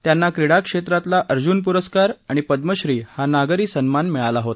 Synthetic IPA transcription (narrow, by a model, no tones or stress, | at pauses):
t̪janːakɾiɽakʂet̪ɾat̪laʔəɾd͡ʑunpuɾəskaɾaɽ̃ipəd̪məɕɾiːhanaɡɾiːsənmanmɛɭalaɦot̪